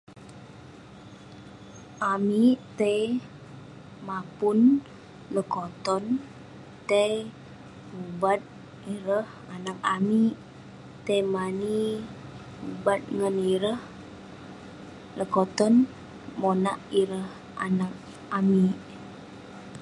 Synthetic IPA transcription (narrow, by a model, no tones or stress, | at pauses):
ʔamit̪əj | mapun | ləkot̪ɔn | t̪əj | hubat̪̚ | iɾəh | anak̚ami | t̪əjmani | ubat̪̚ŋəniɾəh | ləkot̪ɔn | monaʔiɾəh | a̰nak̚ | amiʔ